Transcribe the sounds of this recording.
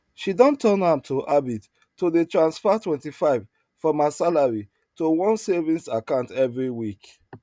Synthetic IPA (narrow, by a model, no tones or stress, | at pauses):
ʃidɔ̃ntʰɔ̃nãmtʰoʔabit | tːodetɹãnsfatwɛ̃ntifaɪv̥ | fɔmasalaɹi | towɔ̃nsɛvĩnsakãʊ̃ntɛvɹiwik